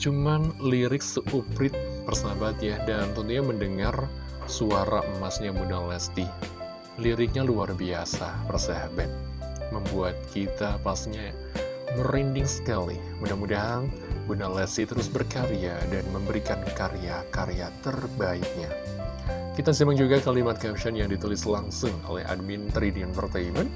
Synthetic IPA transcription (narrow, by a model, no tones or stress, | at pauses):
t͡ʃumanliɾɪksupɾɪt̪̚pərsabat̪̚jadant̪ɔnt̪uɲaməndəŋar | suaɾa̰ʔəmasɲabunalɛst̪i | liɾɪk̚ɲaluarbiasapərsaabat̪̚ | məmbuat̪̚kit̪apasɲa | məɾindɪŋsə̥kalḭ | mudahmudaɦan | bunalɛst̪it̪əɾʊsbərkaɾiadanməmbəɾikankaɾejakaɾejat̪ərbaik̪̚ɲa | kit̪asimaŋd͡ʒuɡakalimat̪̚kɛmʃanjaŋdit̪ulɪslaŋsʊŋo̰lɛ̰ha̰d̚mint̪ɾidianfərt̪aimən